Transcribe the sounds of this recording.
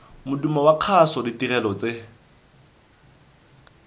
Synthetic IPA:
mʊdumawaq͡χʰasɔdɪtirɛlɔt͡se

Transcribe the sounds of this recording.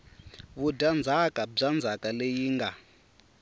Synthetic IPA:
βudand͡zʱakab͡ʐand͡zʱakalejiːŋɡa

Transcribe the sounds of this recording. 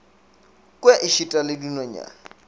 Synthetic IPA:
kʼwɛʔɪʃitʼalɪdunɔɲa̰

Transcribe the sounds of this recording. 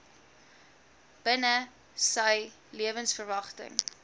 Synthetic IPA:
b̥ənə | səj | liəvənsfərvɐχtə̰ŋ

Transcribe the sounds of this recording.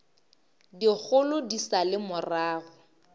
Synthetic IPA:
dik͡xʰʊlʊdisalɪmʊraːɣʊ

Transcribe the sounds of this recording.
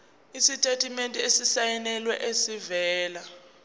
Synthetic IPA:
isitʼetʰʼimentʼiesisajɛnɛlwɛʔesivɛːla

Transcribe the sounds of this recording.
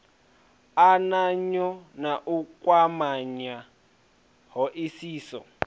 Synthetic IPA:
anaɲɔnaʔukwamaɲa | ɦɔʔisiːsɔ̰

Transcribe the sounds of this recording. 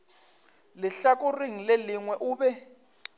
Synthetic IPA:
lɪɬakʼuriŋ̩lɛliŋwɛʔuːɓɛ

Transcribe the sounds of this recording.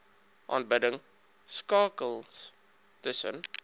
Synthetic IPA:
ʔɑ̰ːnbədəŋ | skɑːkəlˠ | təsə̰n

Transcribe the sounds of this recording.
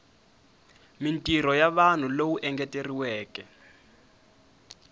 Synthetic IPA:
mintʼiɾɔjaβan̤ulowuʔɛŋɡɛteriwɛːkɛ

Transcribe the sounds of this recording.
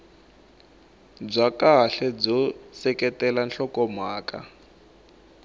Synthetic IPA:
b͡ʐakaɦɬɛb͡ʐɔsɛkɛtɛlanɬɔkɔmaːka̰

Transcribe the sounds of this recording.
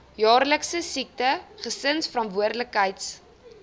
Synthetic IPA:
jɑːrləksəsik̚təχəsənsfəɾɐntvuərdləkɦəjts

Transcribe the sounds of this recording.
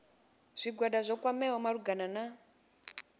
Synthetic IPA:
z̥ʷiɡwaɗazʷɔkwamɛɦɔmaɾuɡanana

